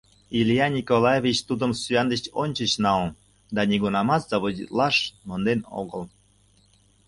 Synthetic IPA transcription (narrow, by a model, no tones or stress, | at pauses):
iljɑnʲikolˠɑjevʲit͡ɕt̪ud̪əmsyɑnd̪ət͡ɕonʲt͡ɕət͡ɕnɑon | d̪ɑnʲiɡunɑmɑt̪z̥ɑβozḭt̪lɑʃmond̪eno̰ɣəl